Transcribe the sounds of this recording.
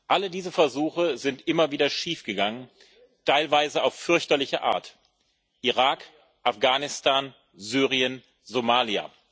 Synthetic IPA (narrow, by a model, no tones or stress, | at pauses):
ʔalədiːzəfɛɐzuːxəzɪntʔɪmɐviːdɐʃiːfɡ̥əɡaŋən | tʰaɪlvaɪzəaʊffʏɐçtɐlɪçɐʔa̰ːɐt | ʔiʁaːk | ʔafɡ̥aːnɪstʰaːn | zyːʁiən | zomaːlia̰ː